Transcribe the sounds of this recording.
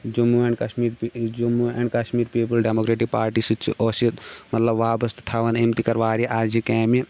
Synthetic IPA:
d͡ʒumuẽːɳɖkɐʃmiːɾd͡ʒumuɛːɳɖkɐʃmiːɾpiːp̬ɐlɖemoːkɾeːʈik̚paːɾʈiːsɨt͡ʃʰḭʔoːsit̪mɐt̪lɐbʋaːbɐst̪t̪ʰɐʋɐnemt̪ikɐɾʋaːɾiʔaːd͡ʒikɛːmi

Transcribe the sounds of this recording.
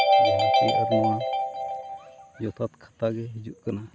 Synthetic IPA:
ɦɔt͡ʃɛʔaɾna | d͡ʒɔt̪ʰat̪kʰḁt̪aɡɛɦid͡ʒuʔ̪̚kana

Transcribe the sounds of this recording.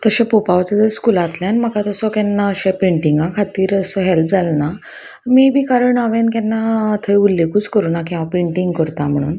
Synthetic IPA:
t̪əɕãpopaʋt͡səd͡zəɾskulat̪ljãnm̤əkat̪əsɔkɛnːaəɕepeɳʈiŋɡãkʰat̪iːɾəsɔɦɛlp̚d͡zʱalna | miːbʱiːkaɾəɳaʋenkɛ̃nːat̪ʰəjulːekuːt͡skəɾuːnak̬ĩʋapẽɳʈiŋɡkəɾt̪am̤əɽ̃ṵːn

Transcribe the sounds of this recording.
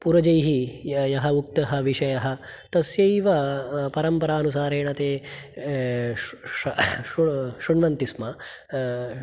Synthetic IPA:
puɾɐd͡ʒɐjɦijɐɦɐuk̚t̪ɐɦɐ̆ʋiʂɐjɐɦɐ̆t̪ɐsjɐjʋɐpɐɾɐmpɐɾaːnus̬aːɾeːɳɐt̪eː | uʃuɳʋɐnt̪ismɐ

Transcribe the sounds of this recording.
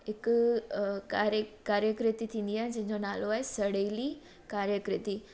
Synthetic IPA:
ɦɪkʊkaːɾkaːɾjəkɾɪt̪it̪ʰĩːnd̪iaːɦɪ̃d͡ʑɐ̃ɦɪ̃ɲd͡ʑonaːloaːɦesɐɽeːli | kaːɾjəkɾɪt̪i

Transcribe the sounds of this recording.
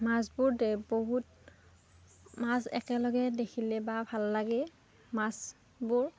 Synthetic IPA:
masbuɹdɛboɦut̚ | masɛ̰kɛlɔɡɛdekʰilɛbabʱalːaɡɛ | mas | buɹ

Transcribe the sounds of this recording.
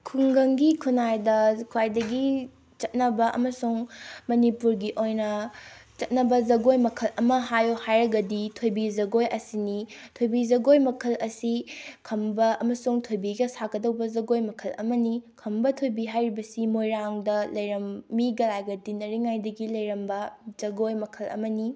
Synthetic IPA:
kʰuŋɡɐŋɡikʰunajdɐkʰwajdɐɡi | t͡ʃɐt̚nɐbɐʔɐ̰mɐsuŋmɐnipuɾɡiʔojnɐt͡ʃɐt̚nɐbɐzɐɡojmɐkʰɐlɐmɐɦajohajɾɐɡɐditʰojbizɐɡojɐsinitʰojbizɐɡojmɐkʰɐlɐsikʰɐmbɐɐmɐsuŋtʰojbiɡɐsaɡɐdɐwbɐzɐɡojmɐkʰɐlɐ̰mɐnikʰɐmbɐtʰojbiɦajɾibɐsimojɾaŋdɐlɐjɾɐmːiɡɐlajɡɐdinɐɾiŋajdɐɡilɐjɾɐmbɐz̥ɐɡojmɐkʰɐlɐ̰mɐni

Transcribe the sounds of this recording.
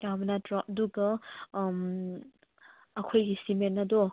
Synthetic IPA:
jamnatɾɔp̚duɡɐm | ɐkʰojɡisimenːɐdɔ

